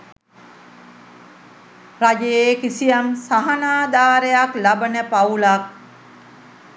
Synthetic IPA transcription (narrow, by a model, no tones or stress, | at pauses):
rad͡ʒejeːkisijamsaɦanaːd̪aːɾejaklabənəpaulak̚